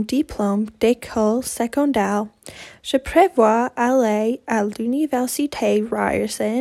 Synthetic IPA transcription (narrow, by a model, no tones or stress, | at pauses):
dipʰlomd̥ɛkʰɔlsɛkɔ̃ndɛlʒ̥əpʰɹɛvwaalealynivɛɹsitʰeɹa̰ɪəɹsə